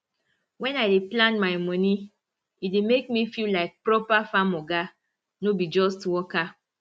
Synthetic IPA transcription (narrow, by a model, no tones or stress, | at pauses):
wɛ̃naɪdeplãnmaɪmɔni | idemek̚mifillaɪk̚pɾɔpafamoɡa | nobid͡ʒɔstwɔka